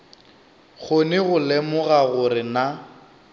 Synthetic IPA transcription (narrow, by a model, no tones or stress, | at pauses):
ɣʰonɪɣʊlɛmʊɣaɣʊɾɪna